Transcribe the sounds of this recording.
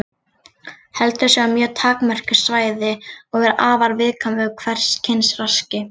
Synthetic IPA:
hɛlt̪ʏsjɛamjœːt̪ʰaːkmɛr̥cʏ̥svaːjðɪɔɣɛɾaːvaɾvɪðkʰamɪʏkʰvɛr̥scʰɪnsrascɪ

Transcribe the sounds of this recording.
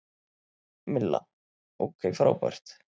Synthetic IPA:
mɪlːa̰ | owkʰejfɾaːwpa̰ɾ̥t̪

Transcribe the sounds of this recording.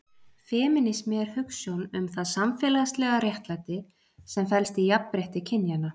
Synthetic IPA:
fɛːmɪnɪsmjɛɾ̥hʏksjownʏmθaðsamfɛːlast̪lɛɣaɾjɛht̪lat̪ɪ | sɛmfɛlst̪ijappɾɛht̪ɪcʰɪnjana

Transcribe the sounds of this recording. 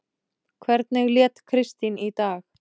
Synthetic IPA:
kʰvɛɾt̪̚nɛɣljɛːt̪kʰɾɪst̪init̪aːx

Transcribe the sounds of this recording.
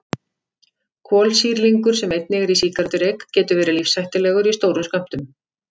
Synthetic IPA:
kʰɔːlsiːɾliŋkʏɾ̥sɛmejt̪̚nɪɣaɾisiːkaɾt̪ʏɾejkcɛːt̪ʏɾvɛːɾɪlifsajht̪ɪlɛːɣʏɾist̪owɾʏmskam̥t̪ʏm

